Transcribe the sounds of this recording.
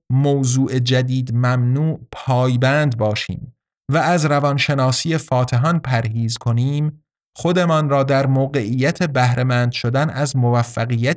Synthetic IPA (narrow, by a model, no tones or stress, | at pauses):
moːzuːʔe̞d͡ʒæd̪iːd̪mæmnuːʔpʰɒːjbænd̪bɒːʃḭːm | væːzɾævɒnʃe̞nɒːsije̞fɒːt̪ʰeɦɒnpʰæɾɦiːzkʰo̞niːm | xo̞d̪e̞mɒnrɒːd̪æɾmoːɣe̞ʔiːjæt̪ʰe̞bæhɾʔe̞mænd̪ʃo̞d̪ænæzmovæfːæɣiːjæt̪